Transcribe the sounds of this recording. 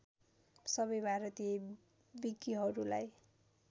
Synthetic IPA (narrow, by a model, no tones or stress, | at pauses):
sʌβʌjbʱaɾʌt̪ije | biɡiɦʌɾula̰j